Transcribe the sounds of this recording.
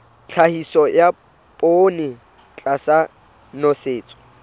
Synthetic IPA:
t͡ɬʰahisɔja | pʼoːnɪ | t͡ɬʼasa | nɔseːt͡sʼɔ̥

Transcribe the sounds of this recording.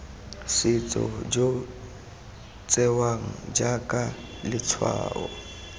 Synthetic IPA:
sɪt͡sʼɔ̰d͡ʒo | t͡sʼɛwaŋ̩d͡ʒakʼa | lɪt͡sʰwa̰ːɔ

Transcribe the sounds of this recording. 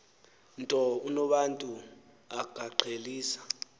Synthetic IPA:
ntʼɔunɔɓantʼu | aɡ̥ʱaǃʰʱeliːsḁ

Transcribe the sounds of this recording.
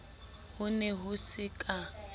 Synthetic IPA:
hʊnɛɦʊsɪkʼa

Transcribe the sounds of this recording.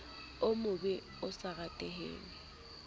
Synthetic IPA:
ʊmʊbɪ | ʊsaɣatʼeɦḛːŋɪ

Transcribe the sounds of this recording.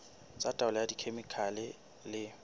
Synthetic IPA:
t͡sʼatʼaʊlɛjadikʰemikʰalɪ | lɪ

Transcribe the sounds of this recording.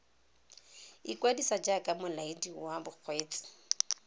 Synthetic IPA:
ikwadisad͡ʒakʼamʊlaidiwabʊk͡xʰweːt͡sʼɪ̥

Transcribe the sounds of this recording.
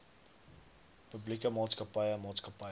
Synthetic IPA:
pəblikəmɑːtskəpɐjənmɑːtskɐpɐ

